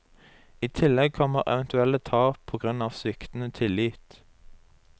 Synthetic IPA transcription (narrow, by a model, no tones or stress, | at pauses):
iːt̪ʰɪlɛɡ̚kʰɔməʁɛ̰ʋɛnt̪ʉɛlət̪ʰɑːpʰoːɡʁʉnɑːʋsʏkt̪n̩ət̪ʰɪliːt̪